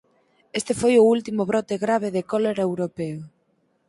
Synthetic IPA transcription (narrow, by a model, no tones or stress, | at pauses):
est̪efojʊult̪imʊβɾɔt̪ɪɣɾaβ̞eðekɔleɾewɾopeo